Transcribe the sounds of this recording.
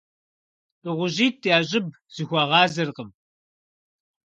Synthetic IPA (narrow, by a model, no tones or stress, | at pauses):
ɨʁʷʊʑiːtʰjaːɕʼɪb̚ | z̥ɨxʷɐʁɑːzɐrqəm